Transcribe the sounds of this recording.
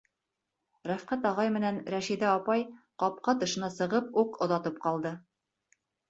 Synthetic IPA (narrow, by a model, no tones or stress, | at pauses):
ɾæfqæt̪ɑʁɑjmɘ̆nænɾæʃid̪æɑpɑjqɑp̚qɑt̪ɤ̆ʃɤ̆nɑsɤ̆ʁɤpuqŏðɑt̪ɤp̚qɑlˠd̪ɤ